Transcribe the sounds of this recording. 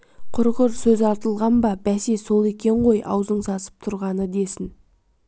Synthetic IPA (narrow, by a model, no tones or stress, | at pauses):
qʰʊɾʁʊɾsɵzɑɾt̪əlˠʁɑnbɑbæseso̞lˠe̞kʲe̞ɴʁo̞jʔɑ̰wzəɴsɑsə̥p̚t̪ʰʊɾʁɑnəd̪e̞sɪn